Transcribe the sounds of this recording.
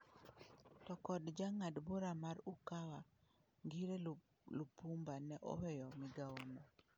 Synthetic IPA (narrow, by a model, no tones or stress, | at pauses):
tɔkɔdd͡ʒaŋadboɾamaɾukawa | ŋɡiɾe | lupumbanɛʔɔ̰wɛjɔmiɡaonɔ